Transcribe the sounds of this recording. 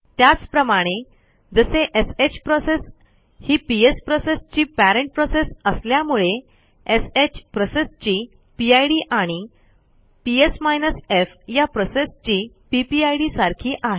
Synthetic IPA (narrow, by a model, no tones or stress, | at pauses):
t̪jat͡spɾəmaɽ̃e | d͡zəseʔeset͡ɕpɾɔses | hiːpiespɾɔsest͡ɕiːpæɾeɳʈ̚pɾɔsesəsljamuɭe | eset͡ɕpɾɔsest͡ɕiː | piajɽiːʔaɽ̃i | piesmajnəsefjapɾosest͡ɕiː | pipiajɽiːsaɾkʰiːʔaɦe